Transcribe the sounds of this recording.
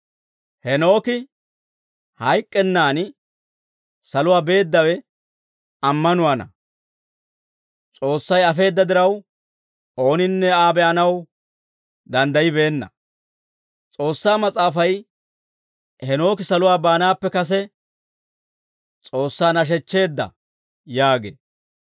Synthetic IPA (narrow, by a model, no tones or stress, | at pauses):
hɛno̞ːkɪ | hɐjkʼːɛnːaːn | sɐlʊwaːbe̞ːd̪ːɐwɛ | ɐmːɐnʊwaːnɐ̰ | t͡sʼo̞ːsːɐjɐfe̞ːd̪ːɐd̪ɪɾɐw | o̞ːnɪnːɛaːbɛʔɐnɐw | d̪ɐnd̪ɐjɪbe̞ːnːɐ̰ | t͡sʼo̞ːsːaːmɐt͡sʼaːfɐj | hɛno̞ːkɪsɐlʊwaːbaːnaːpːɛkɐs̬ɛ | t͡sʼo̞ːsːaːnɐʃ̬ɛt͡ʃːe̞ːd̪ːɐ̰ | jaːɡḛː